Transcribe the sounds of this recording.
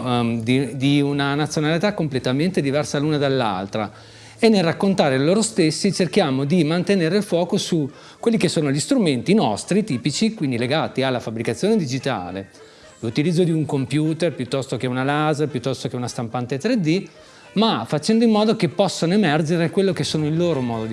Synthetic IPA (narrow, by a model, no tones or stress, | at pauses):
d̪id̪iunanat̪sːjonalit̪akːomplet̪ament̪ed̪ivɛrsaluːnad̪alːa̰lt̪ɾa | enːelrakːont̪aːɾeloːɾost̪esːit͡ʃerkjaːmod̪imant̪eneːɾeilfwɔːkosu | kːwelːikesːoːnoʎist̪ɾument̪inɔst̪ɾit̪iːpit͡ʃikwind̪ileɡaːt̪ialːafabɾikat̪sːjoːned̪id͡ʒit̪a̰ːlḛ | lut̪ilid̪zːod̪iuŋkompjuːt̪erpjut̪ːɔst̪ok̟eunalazerpjut̪ːɔst̪ok̟eunast̪ampant̪et̪ɾed̪i | mafat͡ʃɛnd̪oimːɔːd̪okepːɔsːanoemɛrd͡ʒeɾekwelːokesːoːnoilːoːɾomɔːd̪od̪